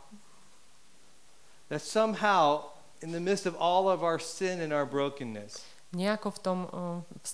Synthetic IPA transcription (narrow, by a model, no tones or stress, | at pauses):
ðætsʌ̃maʊ | ɨ̃nðɨmɪtstʌvɔlˠʌvaʊə˞sɪ̃nɨ̃naʊə˞bɹoʊkɨ̃nːɨs | ɲɛakɔft̪ɔmfs